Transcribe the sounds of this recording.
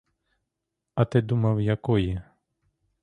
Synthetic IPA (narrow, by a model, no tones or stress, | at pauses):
ɐt̪ɪd̪umɐwjɐkɔjɛ